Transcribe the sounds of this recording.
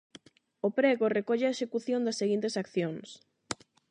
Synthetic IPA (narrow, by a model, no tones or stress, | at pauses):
ʊpɾɛɣʊrekɔʎeɐeʃekuθjõnd̪ɐsːeɣint̪esakθjoŋs